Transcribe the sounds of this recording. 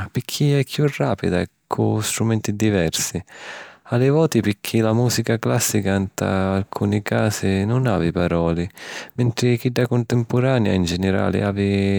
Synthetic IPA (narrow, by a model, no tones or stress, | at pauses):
pɪkʰːiɛkʰːjurːa̰ːpid̪aɛkʰːʊst̪ɾumɛnt̪id̪ivɛrsi | alɪvɔːt̪ipɪkʰːilamuːsikaklasːikant̪a̰ːlkʰuːnikaːsɪnʊnaːvɪpaɾɔːlɪmɛnt̪ɾɪk̟iɖːakʊnt̪ɪmpʊɾaːnja̰ind͡ʒɛnɪɾa̰ːlɪ̰aːvɪ